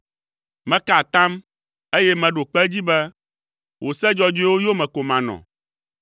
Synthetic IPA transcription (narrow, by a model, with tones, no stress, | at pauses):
mɛ̃˦ka˨t̪ã˦m | e˦jɛ˦mɛ̃˨ɖo˨k͡pɛ˦d͡ʑi˦bɛ˦ | wo˨sɛ˦d͡ʒɔ˦d͡ʒo˦e˦wo˦jo˦mɛ̃˨ko˨mã˨nɔ̰̃˨